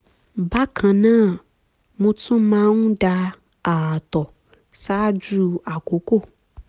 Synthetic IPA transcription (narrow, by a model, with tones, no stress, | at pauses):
ba˦kʰã˧nãː˦˨ | mõ˧tũ˦mãː˨˦n̩˦da˧ | a˨tɔ˨ | sa˦d͡ʒu˦a˨ko˨˦ko˦˨